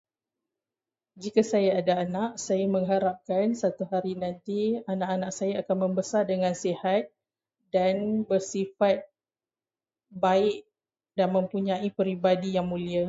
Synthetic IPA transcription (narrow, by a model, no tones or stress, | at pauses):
d͡ʒikasajaːdaːnaʔsajamə̃ŋɦaɾap̚kansat̪uɦaɾinãnt̪ianaʔanaʔsajaakanmə̃mbəsardəŋãnsehat̪̚ | danbərsifat̪̚ | baɪʔ | danmə̃mpuɲãipəɾibadijaŋmũlia